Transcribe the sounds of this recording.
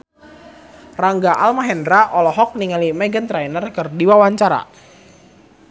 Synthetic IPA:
raŋɡaʔalmaɦɛndɾaʔɔlɔɦɔk̚niŋalimɛɡənt̪ɾajnərkərdiwawaɲt͡ʃaɾa̰

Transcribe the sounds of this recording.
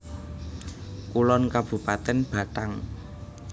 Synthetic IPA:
kulɔnkab̥ṳpat̪ɛnb̥a̤taŋ

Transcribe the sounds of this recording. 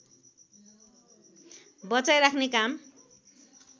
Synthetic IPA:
bʌt͡sajɾakʰnekam

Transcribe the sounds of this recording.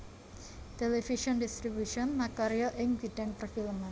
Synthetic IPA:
t̪elefiʃɔndist̪ɾibuʃɔnmakaɾiɔʔɪŋɡidɛnpərfiləman

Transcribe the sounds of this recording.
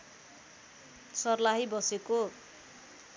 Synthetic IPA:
sʌrlaɦibʌseko

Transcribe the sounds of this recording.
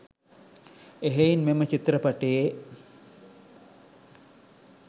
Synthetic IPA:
eɦeinmemət͡ʃit̪rəpaʈeje

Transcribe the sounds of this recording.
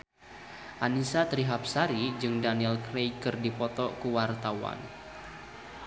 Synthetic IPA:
ʔanisat̪ɾiɦap̚saɾid͡ʒɨŋdaniɛlkɾejkɨrdipɔt̪ɔkuwart̪awa̰n

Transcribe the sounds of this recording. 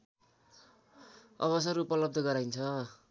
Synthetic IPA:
ʌ̰bʌs̬ʌɾupʌlʌb̚d̪ʌɡʌɾajnt͡sʰʌ

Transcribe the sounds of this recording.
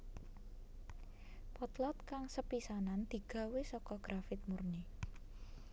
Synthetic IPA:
pɔt̪lɔt̪̚kaŋsəpisanand̪̥i̤ɡ̥ä̤wesɔkɔɡ̥ɾafɪt̪̚murni

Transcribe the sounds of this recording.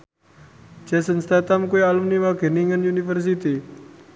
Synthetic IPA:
d͡ʒ̥asənst̪at̪amkuealumniwaɡ̥e̤niŋanjunifərs̬it̪i

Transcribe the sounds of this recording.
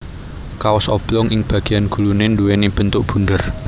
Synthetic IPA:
kawɔsɔb̥lɔŋʔɪŋb̥ä̤ɡ̥i̤janɡ̥ṳlunenduweneb̥ə̤nt̪ʊʔb̥ṳndər

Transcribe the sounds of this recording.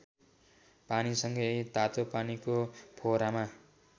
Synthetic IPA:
panisʌŋɡʌjt̪at̪opanikopʰoɾama

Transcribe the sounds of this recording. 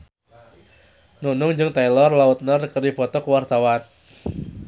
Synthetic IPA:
nunʊŋd͡ʒɨŋt̪ailɔrlaʊt̪̚nərkəɾib̥ɔt̪ɔkwart̪awan

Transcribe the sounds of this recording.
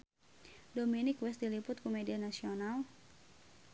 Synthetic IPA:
dominɪkwɪsdilipʊt̪̚kumedianasional

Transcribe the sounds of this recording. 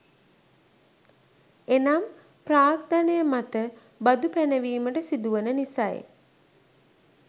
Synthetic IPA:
enam | praːkd̪anəjəmat̪ə | bad̪upænəʋiːməʈəsid̪uʋənənisa̰j̰

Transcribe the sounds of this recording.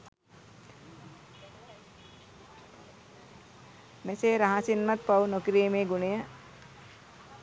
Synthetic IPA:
meseːɾaɦasinmat̪̚pawnokiɾimeːɡunejə

